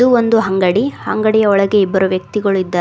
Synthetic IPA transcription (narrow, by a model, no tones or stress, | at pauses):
uond̪uɦɐŋɡɐɽihɐŋɡɐɽijɐɔɭɐɡe̞ibːɐɾuʋjɐk̚t̪iɡɐɭuid̪ːɐ